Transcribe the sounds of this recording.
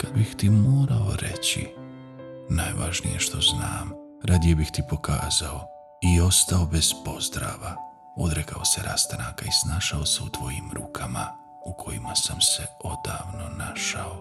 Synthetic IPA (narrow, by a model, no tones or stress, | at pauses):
kad̪bixt̪imoːɾao̞̰ɾe̞̰t͡ɕḭ | najʋaʒnḭjeʃt̪o̞znaːm | ɾad̪ijebixt̪ipo̞ka̰ːzao̞ | io̞st̪ao̞bez̥po̞zd̪ɾa̰ːʋa | o̞d̪ɾekao̞se̞ɾʔa̰st̪anaːkaisnaːʃaoseut̪ʋo̞jimɾuːkʰama | ukʰo̞jimasamse̞o̞d̪̥aːʋno̞naʃao